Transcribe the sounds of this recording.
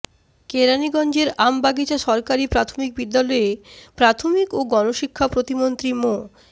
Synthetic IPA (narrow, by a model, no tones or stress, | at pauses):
keɾaniɡɔnd͡ʑeɾambaɡit͡ɕaʃɔɾkaɾipɾat̪ʰomik̚bid̪ːalɔepɾat̪ʰomikoɡɔnoʃikʰːapɾot̪imont̪ɾimo